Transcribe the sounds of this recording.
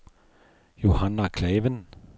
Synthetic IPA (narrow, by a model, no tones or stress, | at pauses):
johanakʰlɛːʋən